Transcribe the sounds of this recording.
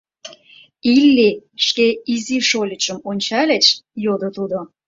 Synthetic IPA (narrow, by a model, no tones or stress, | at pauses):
ilːiʃkeiziʃolʲət͡ɕə̆monʲt͡ɕɑlʲet͡ɕjod̪ot̪ud̪o